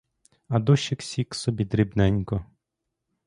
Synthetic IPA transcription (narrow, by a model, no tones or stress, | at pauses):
ɐd̪ɔʃɪksʲiksɔbʲid̪ɾʲibnɛnʲkɔ